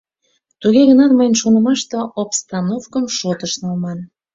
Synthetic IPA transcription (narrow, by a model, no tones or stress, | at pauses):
t̪uɣeɣənɑt̪mɑjnʃonə̆mɑʃt̪oʔopst̪ɑnofkəmʃot̪əʃnɑlmɑn